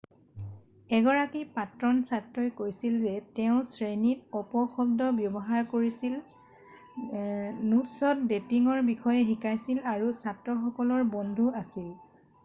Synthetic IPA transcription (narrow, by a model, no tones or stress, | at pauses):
ɛɡɔɹakipatɹɔnsatɹɔjkojsilzɛtɛʊ̃sɹenitɔpɔxɔb̚dɔbjɔbɔɦaɹkoɹisil | nutsɔt̚detiŋɔɹbixʰɔjɛxikajsilaɹusatɹɔxɔkɔlɔɹbɔndʱuasil